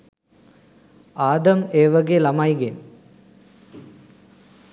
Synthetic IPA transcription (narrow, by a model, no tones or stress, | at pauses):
aːd̪ɐmeːʋɐɡelɐmaːjɡeːn